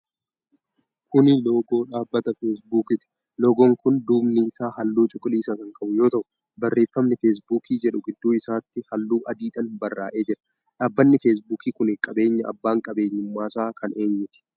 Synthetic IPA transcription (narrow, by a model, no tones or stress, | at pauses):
kʊnɪlo̞ːɡo̞ːᶑaːbːɐt̪ɐfeːs̬buːkɪt̪ɪ̥ | loːɡoːŋkʊnd̪uːbnɪɪsaːhɐlːuːt͡ʃʼʊkʼɪliːsɐkɐŋkʼɐbʊjo̞ːt̪ɐʔʊ̥ | bɐrːe̞ːfːɐmnɪfeːs̬buːkiːd͡ʒɛᶑʊɡɪd̪ːuːɪsaːt̪ːɪhɐlːuːʔɐd̪iːᶑɐnbɐrːa̰ːʔe̞ːd͡ʒɪᶑɐ̥ | ᶑaːbːɐnːɪfeːs̬buːkiːkʊnɪkʼɐbe̞ːɲːɐʔɐ̰bːaːŋkʼɐbe̞ːɲːʊmːaːsaːkʰɐne̞ːɲːʊt̪ɪ̥